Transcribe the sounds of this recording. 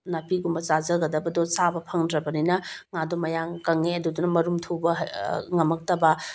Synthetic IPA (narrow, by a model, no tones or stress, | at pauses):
nɐpiɡumbɐzazɐɡɐdɐbɐdɔsabɐpʰɐŋdɾɐbɐninɐŋadomɐjaŋkɐŋeɐdudunɐmɐɾumtʰubɐŋɐmɐk̚tɐbɐ